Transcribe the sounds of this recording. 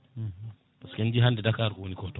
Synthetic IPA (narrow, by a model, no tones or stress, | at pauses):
bɔskɛnd͡ʒiɦandɛdakaɾkunikɔtɔ